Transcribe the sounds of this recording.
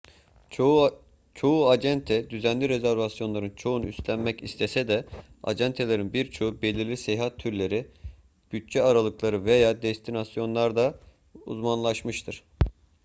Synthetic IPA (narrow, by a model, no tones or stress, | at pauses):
t͡ʃʰo̞uaɛnt̪ʰɛd̪yzænlʲiɾezæɾvasjo̞nlˠaɾɯnt͡ʃʰo̞unyst̪lʲænmɛcist̪ʰesɛd̪ɛa̰d͡ʒɛnt̪ʰelʲe̞ɾinbiɾt͡ʃʰo̞ube̞lʲiɾlʲisejɦat̪ʰːyɾlʲe̞ɾi | b̥yt̚t͡ʃɛaɾalˠɯklˠaɾɯve̞jaːd̪ɛst̪ʰinasjo̞nlˠaɾd̪a | ṵzmanlˠaʃmɯʃt̪ʰɯɾ̥